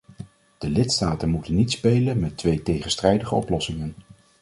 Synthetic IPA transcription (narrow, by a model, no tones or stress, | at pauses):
d̥əlɪtstaːtənmutənːitspejlənmɛtʋejtejχənstrɛjdəχəɔplɔsɪŋən